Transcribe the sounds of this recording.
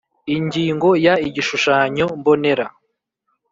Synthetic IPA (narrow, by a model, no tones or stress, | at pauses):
iɲɟiːŋɡo̞jaiɟiʃuʃaːɲo̞mbo̞ne̞ɾa